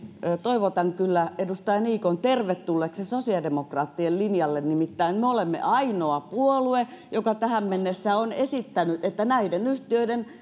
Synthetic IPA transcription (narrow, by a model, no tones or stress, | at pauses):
øt̪oiʋot̪ɑŋkylːæedust̪ɑjɑniːkont̪erʋet̪ːulːeksesosiɑdemokrɑːt̪ːiellinjɑlːennimit̪ːæinmeolemːḛʔɑinoɑpuolue | jokɑt̪æhæmmenːesːæonesit̪ːænyt̪et̪ːænæidenyht̪iøiden